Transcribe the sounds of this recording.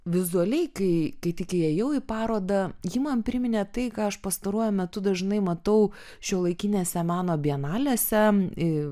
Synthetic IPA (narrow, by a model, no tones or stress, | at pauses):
ʋʲɪzʊɐlʲɛɪkɐɪkɐɪt̪ʲɪkʲɪɛjɛʊipɑːɾoːd̪ɐjimɐnpʲɾʲɪmʲɪnʲɛt̪ɐɪkɑːɐʃpɐst̪ɐɾuɔjʊmʲɛt̪ʊd̪ɐʒnɐɪmɐt̪ɐʊ | ʃʲoːlˠɐɪkʲinʲeːsʲɛmʲɑːnoːbʲiɛnɑːlʲeːsʲɛɪ